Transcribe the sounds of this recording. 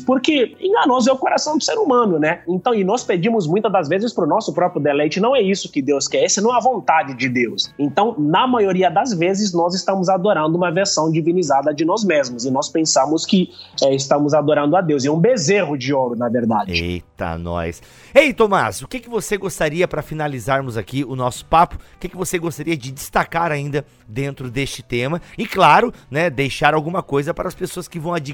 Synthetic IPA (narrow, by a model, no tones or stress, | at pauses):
poɾkɪḛ̃ɡɐnɔzɛʊkoɾasɐ̃w̃d̪ʊseɾumɐ̃nʊnɛẽnt̪ɐ̃w̃ɪnɔsped͡ʒĩmʊzmũj̃t̪ɐd̪ɐzvezɪspɾʊnɔsʊpɾɔpɾjʊd̪elɛjt͡ʃɪnɐ̃w̃ɛisʊkɪd̪ewskɛɾesɪnɐ̃w̃ɛɐvõnt̪ad͡ʒɪd͡ʒɪd̪ewsẽnt̪ɐ̃w̃nɐmajoɾiɐd̪ɐzvezɪznɔzɪst̪ɐ̃mʊzad̪oɾɐ̃nd̪ʊũmɐveɾsɐ̃w̃d͡ʒivĩnizad̪ɐd͡ʒɪnɔzmezmʊzɪnɔspẽsɐ̃mʊskɪɛɪst̪ɐ̃mʊzad̪oɾɐ̃nd̪ʊad̪ewzɛũbezeɦʊd͡ʒɪɔɾʊnɐveɾd̪a̰d͡ʒɪḛt̪a̰nɔ̰s | ejt̪omasʊkɪkɪvoseɡost̪aɾiɐpɾɐfinalizaɾmʊzakiʊnɔsʊ̥papʊ̥ʊkɪkɪvoseɡost̪aɾiɐd͡ʒɪd͡ʒɪst̪akaɾaĩnd̪ɐ | d̪ẽnt̪ɾʊd̪est͡ʃɪ̥t̪ẽmɐɪklaɾʊnɛd̪ejʃaɾawɡũmɐkojzɐpaɾɐspesoɐskɪvɐ̃w̃ad͡ʒi